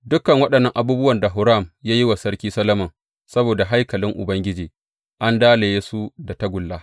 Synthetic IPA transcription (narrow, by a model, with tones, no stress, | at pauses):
dʊ˦kɐ˨ŋwɐ˦ɗɐ˨nːɐ˦ŋʔa˨buː˦bʊ˦wɐ˨nda˨ɦʊ˨ɾa˦˨mjaː˦ji˦wa˨sɐ˦rkʲiː˦sɐ˦lɐ˦mɐ˨ŋ | sɐ˦boː˨da˨ɦa˦jkɐ˨lɪ˦ŋʔʊ̰˨bɐ˦ŋɡʲɪ˦d͡ʒiː˨ | ʔa˦ndaː˦le˨je˦su˦da˨ta˦ɡʷʊ˨lːaː˦